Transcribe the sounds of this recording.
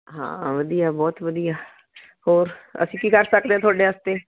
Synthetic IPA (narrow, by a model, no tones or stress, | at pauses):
ɦã̰ːʋəd̪ijaːbɔːt̪ʋəd̪ijaː | hoːɾə̰sĩːkiːkəɾsək̚d̪eːãːt̪ʰʊaːɖeːəst̪eː